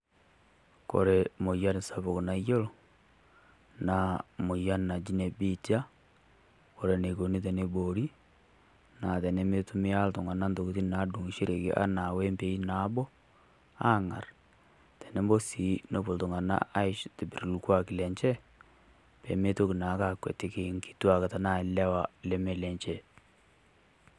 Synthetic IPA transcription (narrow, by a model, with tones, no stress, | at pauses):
ko̰˨ɾe˨mo˨ja˦n˨sa˦bo˨ku˨na˨jo˦l | na˨mo˨ja˦nna˨d͡ʒi˦ne˨bi˦d͡ʒa˦ | ko˨ɾe˨ne˨ko˨ni˦t̬e˨ne˦bo˨ɾi˦ | na˨tɛ˨ne˦me˦tu˦mi˦a˦ltu˨ŋa˨na˦nto˨ko˨t̬i˦na˨˦du˨ŋi˨ʃi˦ɾe˨kḛ˦ʔa̰˦na˨we˦mpe˨i˦na˨˦bɔ˦ | a˦ŋa̰˨r | tɛ˨ne˦mbo˦si˨˦no˦bo˨ltʊ˨ŋa˨na̰˦a˦ɪ˦ʃte˨bi˨ɾlu˨kwa˦kɪ˨lɛ˨ɲt͡ʃɛ˦ | pḛ˨˦me˦to˦ki˨na˨˦ka˦˨kwḛ˨te˦ke˦˨˦ŋki̥˨twa˨ka˨ta˨na˦˨ɪ˨lɛ˦wa˨lɛ˦me˨lɛ˨ɲt͡ʃɛ˦